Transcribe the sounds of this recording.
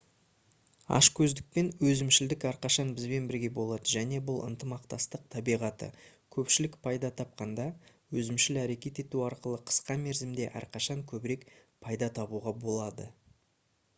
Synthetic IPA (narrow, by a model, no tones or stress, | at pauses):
ɑ̰ʃkʲʰɵzd̪ɪk̚pe̞nwɵzɪmʃɪld̪ɪkæɾqɑʃɑnbɪzbe̞nbɪɾɡʲe̞bo̞lˠɑd̪əʒæne̞bʊlˠə̰nt̪əmɑqt̪ɑst̪əq̚t̪ʰɑbijʁɑt̪ə̰ | kʲʰɵpʃɪlɪkpʰɑjd̪ɑt̪ʰɑp̚qɑnd̪ɑ | wɵzɪmʃɪlæɾe̞kʲe̞t̪e̞t̪uɑɾqəlˠəqʰə̥sqɑme̞ɾzɪmd̪e̞̰ʔæ̰ɾqʰɑʃɑŋkʲʰɵbɪɾe̞kpʰɑjd̪ɑt̪ʰɑbuʁɑbo̞lˠɑd̪ə